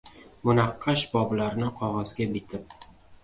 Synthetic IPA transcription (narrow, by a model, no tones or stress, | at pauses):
mʊnɑqʰːɑʃbɒblaɾnɪqʰɒʁɒzɡʲabɪt̪ʰɪp̚